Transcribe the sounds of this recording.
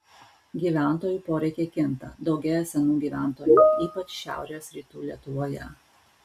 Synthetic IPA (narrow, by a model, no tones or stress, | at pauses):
ɡʲiːʋʲæˑnˑt̪oːjuːpoːɾʲɛɪkʲeːkʲɪnt̪ɐ̰d̪ɒʊɡʲɛjɛsʲɛnuːɡʲiːʋʲæˑnt̪oːjɛiːpɐt͡ʃʃʲæ̰ˑʊɾʲeːoːsɾʲiːt̪uːlʲiɛt̪ʊʋoːjɛ̰